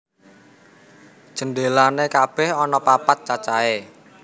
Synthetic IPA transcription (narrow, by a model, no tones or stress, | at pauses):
ʒ̥ənɖelanekab̥ɛ̤hɔnɔpapat̪̚t͡ʃat͡ʃae